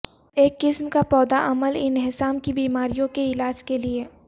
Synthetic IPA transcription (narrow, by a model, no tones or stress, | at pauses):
eːkːɪsmkapɔːd̪aʔɐməlɪnɦɪsaːmkibiːmaːɾijõkeɪlaːd͡ʒkelie